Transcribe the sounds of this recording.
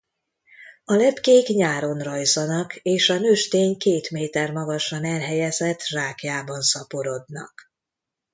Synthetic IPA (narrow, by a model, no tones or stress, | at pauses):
ɒlɛpkeːkɲaːɾo̞nrɒjzɒnɒkeːʃɒnøːʃt̪eːɲkeːt̪meːt̪ɛrmɒɡɒʃɒnɛlɦɛjɛzɛt̪ːraːkjaːbɒnsɒpoɾo̞d̪nɒ̰k